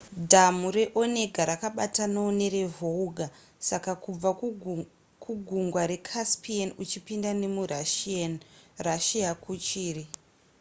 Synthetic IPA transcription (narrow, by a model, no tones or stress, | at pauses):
dʱamuɾe̞ʔo̞ne̞ɡʱaɾakaɓatanoone̞ɾe̞vʱouɡʱa | sakakub͡va | kʰuɡʱuŋɡwaɾe̞kʰaspianut͡ʃipindane̞muraʃianraʃiakʰut͡ʃiːri